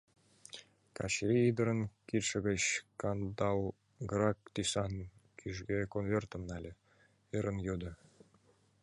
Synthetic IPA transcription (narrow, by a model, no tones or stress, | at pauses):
kɑ̰ɕɾʲiid̪ɤ̆ɾɤ̆nkʲirʲʂɤ̆ɡʲə̆ɕkɑnd̪ɑlˠ | ɡrɑkt̪ʲisɑnkʲʰyʒɡʲekonvʲert̪ɤ̆mnɑlʲɘ̆ | ɯɾɤ̆njod̪ɤ̆